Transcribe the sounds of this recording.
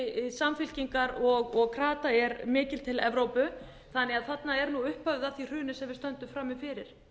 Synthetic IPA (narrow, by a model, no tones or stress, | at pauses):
samfɪl̥ciŋkaɾɔɣɔɣkʰɾaːt̪aɛɾmɪːcɪl̥t̪ʰɪlɛvɾowpʏ | θanːɛaðθat̪naɛɾnuʏhphœvðaθir̥ʏːnɪsɛmvɪɾ̥st̪œnt̪ʏmfɾaːmɪfɪɾɪɾ̥